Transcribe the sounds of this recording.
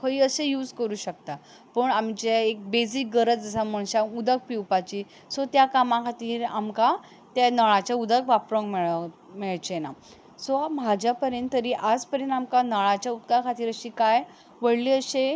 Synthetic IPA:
kʰəiːəsejuːd͡zkəɾuːɕək̚t̪a | pəɳamt͡ɕeek̚bed͡zik̚ɡəɾət͡sd͡zəsaməɳɕaud̪ək̚piwpat͡ɕiː | sɔt̪jakamãkʰat̪iːɾa̰mka | t̪anəɭat͡ɕjaud̪əkʋapɾoŋkmeɭ | meɭt͡ɕna | sɔmad͡ʑapəɾjənt̪ːəɾiːʔad͡zpəɾjənt̪amkanəɭat͡ɕjaut̪kakʰat̪iːɾəɕiːkaj | ʋəɽliːəɕe

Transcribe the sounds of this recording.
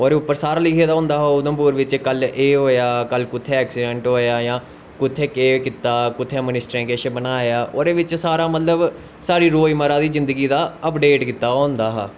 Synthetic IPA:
ɔːɾeʊpːəɾsaːɾaːlɪkʰeːd̪aːɦõːnd̪aːɦoːʊd̪əmpuːɾʋɪt͡ʃkəleːɦoːjaːkəlkʊt̪ʰːeːɛːksɪɖɛ̃ɳʈɦoːjaːjãː | kʊt̪ʰːeːkeːkɪt̪ːaːkʊt̪ʰːeːmɪnɪsʈɾẽːkeʃebənaːjaːʔɔːɾeːʋɪt͡ʃsaːɾaːmət̪ləb | saːɾiːɾoːiməɾãːd̪iːzɪ̃nd̪əɡiːd̪aːəpɖeːʈkɪt̪ːaːɦõːnd̪aːɦa̰ː

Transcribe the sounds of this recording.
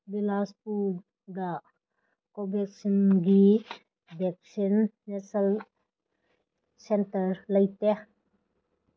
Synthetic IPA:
bilaspu | d̪aʔ | kɔbɛk̚sinɡi | bɛk̚sinː | ɛsəl | sɛntərləjt̪ɛ

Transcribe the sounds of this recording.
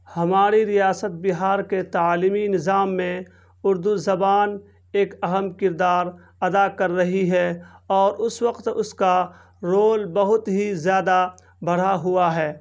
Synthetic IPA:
hɐmaːɾiɾijaːsət̪̚bɪɦaːɾket̪aaːliːminɪzaːmːẽ | ʊɾd̪uzɐbaːn | eːkɐɦəmkɪɾd̪aːɾ | ɐd̪akɐɾːɐɦiɦɛɔːɾʔʊswəqt̪ʊska | ɾoːlbɐɦʊt̪ɦizjaːd̪a | bʱɐɽ̤aɦʊaɦɛː

